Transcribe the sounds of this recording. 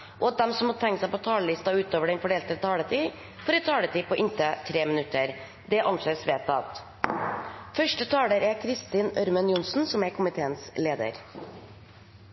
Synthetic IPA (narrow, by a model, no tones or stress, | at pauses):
ʔɔːɑt̪̚d̪ɛmsɔmɑt̪ʰɛŋkəsæɪpot̪ʰɑːləlɪst̪ɑʉːt̪oːʋəɖɛnfɔɖeːlt̪ət̪ʰɑːlət̪ʰiː | fɔːɾɛt̪ʰɑːlət̪ʰiːpʰɔʔɪnt̪ət̪ʰɾeːmɪnʉt̪ːəɾ | d̪ɛʔɑnseːsʋeːt̪ɑt̪ | fœʂʈət̪ʰɑːləɾæɾkʰɾɪst̪ɪnœɾmənjʊnsn̩sɔmækʰʊmɪt̪ʰeːənsleːd̪ə̰ɾ